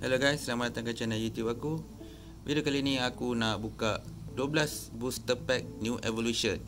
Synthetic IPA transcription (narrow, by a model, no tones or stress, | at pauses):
hɛ̰loɡajslamat̪aŋkat͡ʃanajut̪jupaku | vḭdiokaliːnĩakunaʔbukaduəblasbust̪əpɛk̚njuʔɛvoluʃə̃n